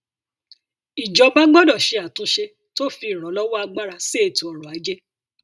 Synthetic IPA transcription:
i˨d͡ʒɔ˨˧ba˦ɡ͡bɔ˦dɔ˦˨ʃe˧a˨tũ˨˦ʃe˧ | to˦fi˧˦˨ɾ̃ɔ̃˨˦lɔ˦wɔ˦a˧ɡ͡ba˦ɾa˧se˦e˦˨tu˨ɔ˨ɾ̃ɔ̃˨a˨˦d͡ʒe˦

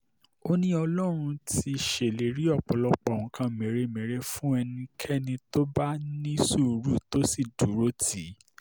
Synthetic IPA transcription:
o˦nĩ˦ɔ˧lɔ˦ɾ̃ũ˧ti˧˨ʃe˨le˨˦ɾi˦ɔ˦˨k͡pɔ˨lɔ˧k͡pɔ˨wũ˨kʰã˧mẽ˨˦ɾe˨˦mẽ˨˦ɾe˧fũ˦ɛ˧nĩ˧kʰɛ˦nĩ˧to˦ba˦nĩ˦su˦˨ɾu˦˨to˦si˦˨du˨˦ɾo˦ti˨˦

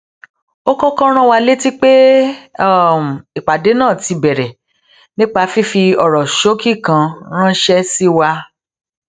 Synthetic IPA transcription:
o˦kɔ˦kɔ̃˦ɾ̃ã˦wa˧le˦ti˦k͡pe˦˨ | m̩˨i˨k͡pa˨de˨˦nãː˦˨ti˧bɛ˨ɾɛ˨ | nĩ˦k͡pa˧fi˦fi˧ɔ˨ɾɔ˨ʃo˦ki˦˨kã˧ɾ̃ã˦ʃɛ˦si˦wa˧

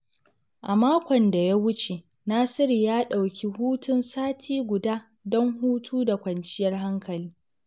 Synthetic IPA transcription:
ʔa˨maː˦kʷɔ˨nda˨ja˦wʊ˦t͡ʃe˨ | naː˦sɪ˦ɾi˨jaː˦ɗa˨wkʲi˦huː˦tʊ˦nsaː˦tʰiː˦ɡʷʊ˨daː˦ | dɔ˦ŋhuː˦tʰuː˦da˨kʷɐ˨nt͡ʃɪ˦jɐ˦rɦa˦ŋkʰɐ˨liː˦

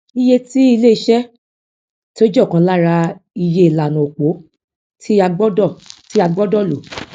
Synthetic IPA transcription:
i˦je˧ti˦i˧le˦i˧ʃɛ˦ | to˦d͡ʒɔ˦˨kã˧˦la˦ɾa˧i˧je˧i˨la˨nũ˨o˨k͡po˨˦ | tʰi˦a˧ɡ͡bɔ˦dɔ˦˨ti˦a˧ɡ͡bɔ˦dɔ˦˨lo˨

